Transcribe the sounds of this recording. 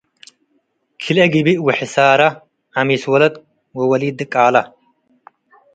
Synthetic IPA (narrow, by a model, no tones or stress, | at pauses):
kʰilɛɡibiwɛħɪsaːɾɐ | ɐmiswɐlɐt̪ | wɐwɐliːd̪ɨkʼaːlɐ